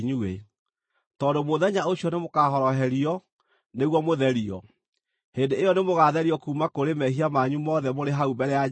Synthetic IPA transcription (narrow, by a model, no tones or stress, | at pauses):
ɲue | tɔːndomoðɛɲaoɕiɔnemokaɦɔɾɔɦɛɾiɔ | neɣwɔmoðɛɾiɔ | heːndeejɔnemoɣaðɛɾiɔkuːmakoɾemɛɦiamaɲumɔðɛmoɾeɦaubɛɾɛja